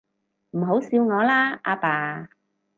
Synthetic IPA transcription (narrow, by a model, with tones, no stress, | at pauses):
m̩˨˩ɦo˨˥wsiː˨˧wŋɔː˨˧laː˥ʔa̰ː˧paː˨˧